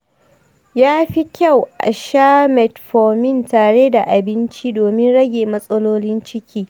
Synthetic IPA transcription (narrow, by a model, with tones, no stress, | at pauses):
jaː˦ɸi˦kʲa˦˨wʔa̰˨ʃaː˦mɛ˨tɸoː˨mɪ˦˨ntaː˨ɽe˦da˨ʔa˨bɪ˦nt͡ʃi˦doː˨mɪ˦nɽɐ˦ɡʲeː˨mɐ˦sʼɐ˦loː˦lɪ˦nt͡ʃɪ˦kʲʰiː˦